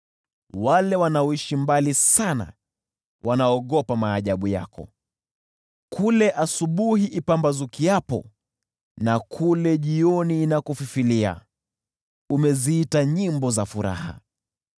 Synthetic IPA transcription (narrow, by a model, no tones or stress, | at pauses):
walɛwanaɔiʃimbalisana̰ | wʔanaɔɠɔpamaːʄaɓuja̰kɔ̰ | kʰulɛʔasuɓuhiʔipambazukiapɔ̰ | nakʰulɛʄiɔniːnakɔfifilia̰ | umɛziitaɲimbɔzafuɾa̰ha̰